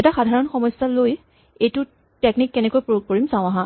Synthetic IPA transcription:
ɛtaxadʱaɹɔnxɔmɔjsaloj | ejtʊ | teknikːɛnɛkojpɹojuɡ̚koɹimsãʊ̃aɦã

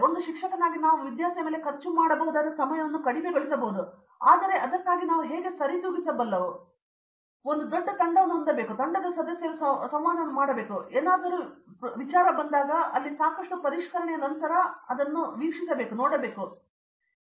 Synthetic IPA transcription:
ond̪uʃikʂɐkɐnaːɡinaːʋuʋid̪jaːsɐjɐme̞ːle̞kɐɾt͡ʃːumaːɽɐbɐɦud̪aːd̪ɐsɐmɐjɐʋɐnːukɐɽiɡeɡoɭisɐbɐɦud̪u | a̰ːd̪ɐɾe̞ʔɐd̪ɐkːaːɡinaːʋuɦeːɡesɐɾit̪uːbisɐbɐlːɐʋu | ond̪ud̪oɖːɐt̪ɐɳɖɐʋɐnːuɐnd̪ɐbe̞ːkut̪ɐɳɖɐd̪ɐsɐd̪ɐsjɐlusɐsɐmʋaːnɐʋɐnːumaːɽɐbe̞ːkueːnaːd̪ɐɾuʋit͡ʃaːɾɐbɐnd̪aːɡɐɐlːisaːkɐʂʈupɐɾiʂkɐɾɐɳɛjɐnɐnt̪ɐɾɐɐd̪ɐnːuʋiːkʂisɐbe̞ːkunoːɽɐbe̞ːku

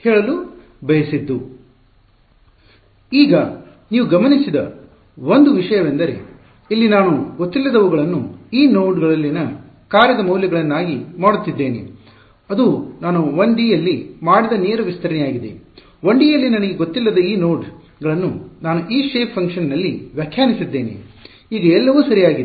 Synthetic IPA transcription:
heːɭɐlu | bɐjɐsid̪ːu | iːɡɐ | niːʋuɡɐmɐnisid̪ɐ̰ | ʋond̪uʋiʂɐjɐʋend̪ɐɾe̞̰ | ilːinaːnuɡot̪ːilːɐd̪ɐʋuɡɐɭɐnːuiːno̞ːɖɡɐɭɐlːinɐ | kaːɾjɐd̪ɐmɐwljɐɡɐɭɐnːaːɡimaːɽut̪ːid̪ːe̞ːnḭ | ɐd̪unaːnuʋɐɳɖ̪iːjɐlːimaːɽid̪ɐneːɾɐʋist̪ɐɾɐnɛjaːɡid̪ḛ | ʋɐɳɖijɐlːinɐnɐɡe̞ɡot̪ːilːɐd̪ɐiːno̞ːɖ | ɡɐɭɐnːunaːnuʔiːʂeːpʰːɐŋkʂɐnnɐlːiʋjɐkʰjaːnisid̪ːe̞ːnḭ | iːɡɐɛlːɐʋuːsɐɾijaːɡid̪

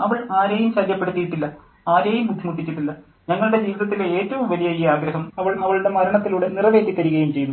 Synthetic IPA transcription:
ɐʋɐɭaːɾejumɕɐljɐpːe̞ɽut̪ːijiʈːilːɐ | aːɾejumːukʰːimuʈːit͡ɕːiʈːilːɐ | ɲɐŋːɐɭuɽe̞d͡ʑiːʋiðɐt̪ːilee̞ːtːɐʋumʋɐlijɐjiaːɡɾɐɦɐmɐʋɐɭɐʋɐɭuɽe̞mɐɾɐɳɐt̪ːiluːɽe̞nirɐʋe̞ːt̪ːikːɐɾiɣɐjumt͡ɕe̞jːunu

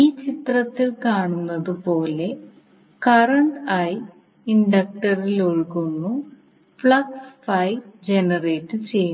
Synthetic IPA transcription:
iːt͡ɕit̪rɐt̪ːilkaːɳunːɐðupo̞ːle̞ | kɐrɐɳʈɐj | iɳɖɐk̚ʈɐriloɻkunːu | fɭɐksfɐjd͡ʑenɐre̞ːʈːɨt͡ɕe̞ju

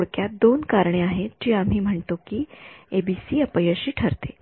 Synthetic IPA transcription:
oɽkjad̪onkaɾɳ̃eaɦed͡ʑiːam̤iːm̤əɳt̪okiebisiːəpəjəɕiːʈʰəɾt̪e

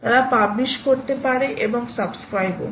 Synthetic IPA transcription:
t̪aɾapabliʃkoɾt̪epaɾeʔeboŋsabskɾajbo̰

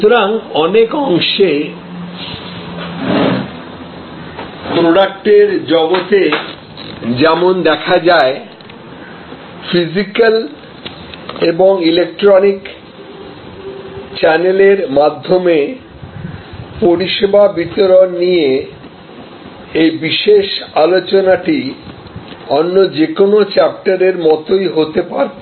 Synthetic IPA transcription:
t̪oɾaŋɔnekɔŋʃe | pɾoɖak̚ʈeɾd͡ʑɔɡot̪e | d͡ʑɛmond̪ɛkʰad͡ʑae | fʰizikal | eboŋilek̚ʈɾonik | t͡ɕɛneleɾmad̪ʱːome | poɾiʃebʱabit̪oɾonnie | ejbiʃeʃalot͡ɕonaʈi | ɔnːod͡ʑekonot͡ɕɛp̚ʈaɾeɾmɔt̪ojɦot̪epa̰ɾe

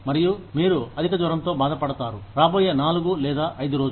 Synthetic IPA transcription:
mɐɾijumiːɾuɐd̪ʱikɐd͡ʒʋɐɾɐmt̪o̞ːbaːd̪ɐpɐɽɐt̪aːɾuɾaːboːjeːnaːluɡulɛːd̪aːʔɐjd̪uɾoːd͡ʒ

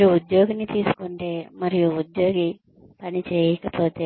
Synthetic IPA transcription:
uud̪jo̞ːɡɐnːit̪iːsu̥kuɳʈe̞ːmɐɾijuud̪jo̞ːɡi | pɐnit͡ʃeːjɐkɐpo̞ːt̪eː

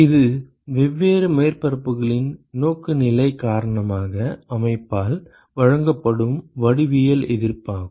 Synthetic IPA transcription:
ɪðɯ | ʋɛʋːeːɾɯmeːrpɐɾɐpːɯɣɐɭɪnnoːkːɯnɪlɐɪkaːɾɐɳɐmaːɣɐɐmɐɪpːaːl | ʋɐɻɐŋɡɐpːɐɽɯmʋɐɽɪʋɪjɐlɛðɪrpaːɣɯ

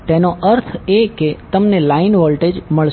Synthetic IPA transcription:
t̪enoəɾt̪ʰeket̪əmnelainʋɔlʈed͡ʒməɭʃ

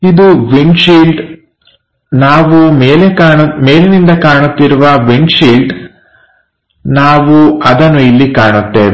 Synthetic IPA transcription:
id̪uʋiɳʃiːlʈ | naːʋumeːlekaːɳume̞ːlenind̪ɐkaːɳut̪ːiɾuʋɐʋinʃiːlɖ | naːʋuɐd̪ɐnːuilːikaːɳut̪ːḛːʋ

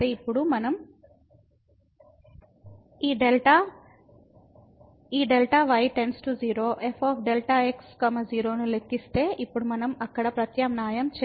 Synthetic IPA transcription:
eːipːuɽumɐnɐm | iːɖelʈaː | iːɖelʈaːʋɐjʈensʈud͡ʒiːɾo̞ːʔepʰaːpʰɖelʈaːekskɐmɐd͡ʒiːɾo̞ːnulekːist̪e̞ːʔipːuɽumɐnɐmɐkːɐɽɐpɾɐt̪jɐmnaːjɐmt͡ʃe

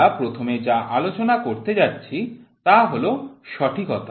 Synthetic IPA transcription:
apɾot̪ʰomed͡ʑaʔalot͡ɕonakoɾt̪ed͡ʑatːɕʰit̪aɦoloʃɔʈʰikɔt̪a

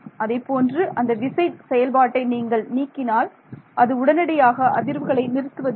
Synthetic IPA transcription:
ɐðɐɪpːoːndrɯʔɐnd̪ɐɖɪsɐɪʈsɛjɐlbaːʈːɐɪniːŋɡɐɭniːkːɪnaːl | ʔɐðɯʊɽɐnɐɽɐjaːɣɐʔɐðɪɾʋɯɣɐɭɐɪnɪɾɯt̪ːɯʋɐð

